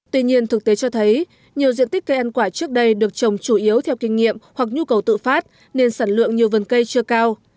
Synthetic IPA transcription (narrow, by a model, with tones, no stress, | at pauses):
t̪wi˧ɲi˧ənt̪ʰɨ˨˩k̚t̪e˨˦t͡ɕɔ˧t̪ʰə˨˦j | ɲi˨˩əwzḭ˧˨ənt̪ï˦˥k̟̚kə˧jʔa˧nkwaː˧˩t͡ɕɨ˦˥ək̚ɗə˧jɗɨ˨˩ək̚t͡ɕə˨˩wŋ͡mt͡ɕu˧˩ʔi˨˦əwt̪ʰɛ˧wkï˧ŋ̟ŋḭ˧˨əmhwa˨˩k̚ɲu˧kə˨˩wt̪ɨ̰˧˨faː˦˥t̚ | ne˧nsaː˧˩nlwɨ̰˧˨əŋɲi˨˩əwvə˨˩nkə˧jt͡ɕɨ˧əkaː˧w